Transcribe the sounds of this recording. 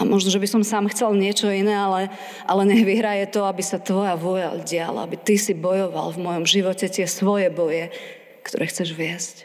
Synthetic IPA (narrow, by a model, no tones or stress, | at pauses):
amʔɔʒnɔʒɛbisɔmsaːmxt͡sɛlɲɪɛt͡ʃɔinɛːalɛ | ʔalɛɲɛɦʋiɦɾajɛt̪ɔabisat̪ʋɔjaʋʊɔʎa̰lɟɪa̰la̰abit̪isibɔjɔʋa̰lvmɔjɔmʒiʋɔcɛt̪ɪɛsʋɔjɛbɔjɛ | kt̪ɔ̰ɾɛxt͡sɛʒʋɪɛsc